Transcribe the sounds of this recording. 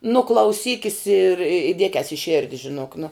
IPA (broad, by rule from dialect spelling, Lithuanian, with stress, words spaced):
nʊ klˠɐʊˈsʲiːkʲɪs ɪr ɪ ˈdʲiɛkʲɛs ɪ ˈʃʲɪrʲdʲɪ ʒʲɪˈnoːk nʊ